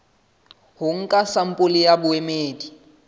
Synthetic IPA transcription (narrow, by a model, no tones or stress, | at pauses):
hʊŋ̩kʼasam̩pʼʊlɪjabʊemeːdi